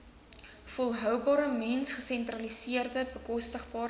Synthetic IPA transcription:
fɔlˠɦœwbɑːɾəmɛnsχəsɛntrɐlisiərdəbəkɔstəχbɑː

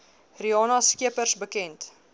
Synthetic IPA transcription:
riɑːnɐskiəpərsbəkɛnt

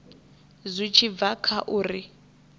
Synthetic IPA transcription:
zʷit͡ʃʰib̪vakʰaʔuːri

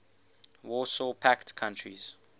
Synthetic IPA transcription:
wɔsɔpʰaktkʰãntʰɹḭz̥

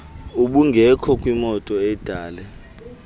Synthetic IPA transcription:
uɓuŋɡʱɛkʰɔkʼwimɔtʼɔɛd̥ʱaːlɛ

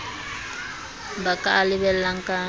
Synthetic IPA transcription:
bakʼaːlɪβɛl̩laŋ̩kʼa

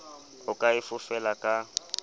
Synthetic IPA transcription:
ʊkʼaɪfʊfɛlakʼa

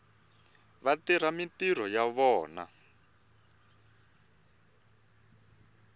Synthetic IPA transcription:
βatiɾamitir̤ɔjaβɔːna̰

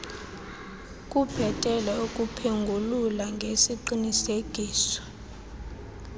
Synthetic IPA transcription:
kʼub̥ʱɛtʼɛlɛokʼupʰeŋɡʱululaŋɡʱesiǃiniseɡ̥ʱiːsɔ̥

